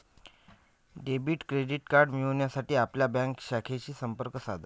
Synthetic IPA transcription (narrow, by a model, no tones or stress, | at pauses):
ɖebiʈkɾeɖiʈkaɾɖmiʋonjasaʈiːapljabãŋkɕakʰet͡ɕiːsəmpəɾkəsad̪ʱa